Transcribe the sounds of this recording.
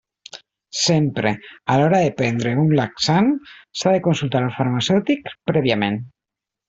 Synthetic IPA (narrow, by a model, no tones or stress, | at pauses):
sempɾealɔɾaðepend̪ɾeunlaksansaðekonsult̪aɾalfaɾmasewt̪ikpɾeβ̞jamẽn